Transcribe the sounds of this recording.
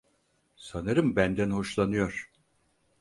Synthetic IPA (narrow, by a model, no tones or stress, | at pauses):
sanɯɾɯmbænd̪ænho̞ʃlˠanɯjo̞ɾ̥